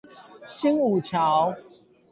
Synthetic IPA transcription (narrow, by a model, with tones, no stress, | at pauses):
ɕi˦ŋu˨˩t͡ɕʰja˨˦ʊ